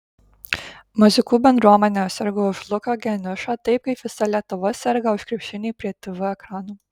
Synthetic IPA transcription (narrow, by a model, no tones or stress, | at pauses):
mʊzʲɪkuːbʲɛnd̪ɾuɔmɐnʲɛsʲɛɾɡoʊʒlˠʊkɐɡʲɛnʲʊʃɑt̪ɐɪp̚kɐɪpʋʲɪsɐlʲiɛt̪ʊʋɔsʲɛɾɡɐʊʃkɾʲɪpʲʃʲɪnʲiːpʲɾʲiɛt̪ʊʋʲʊɛkɾɑːnuː